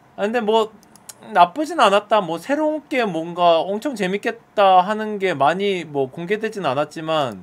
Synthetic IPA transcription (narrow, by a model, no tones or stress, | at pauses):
ɯnde̞mwʌ | nap͈ɯd͡ʑinɯnanat̚t͈amwʌsʰe̞ɾonk͈e̞mwʌnɡaʌŋt͡ɕʰʌŋt͡ɕe̞mik͈e̞t̚t͈aɦanɯnɡe̞maɲimwʌkoŋɡe̞dwe̞d͡ʑinɯnanat̚t͡ɕ͈iman